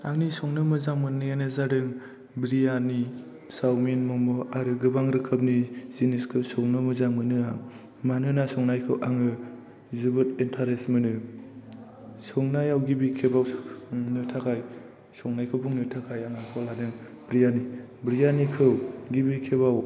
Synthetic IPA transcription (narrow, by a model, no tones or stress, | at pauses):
aŋnisɔŋnɯmɯzaŋmɯnɯjanɯzadɯŋ | bɾijani | sawmenmɔŋmɔaɾɯɡɯbaŋɾɯkʰəp̚niziniskʰɯwsɔŋnɯmɯzaŋmɯnɯa | manɯnasɔŋnajkʰɯwʔaŋɯ | zubɯtentʰaɾesmɯnɯ | sɔŋnajawɡibikʰebawnɯtʰakʰaj | sɔŋnajkʰɯwbuŋnɯtʰakʰajaŋakʰɔladɯŋ | bɾijani | bɾijanikʰɯwɡibikʰeβaw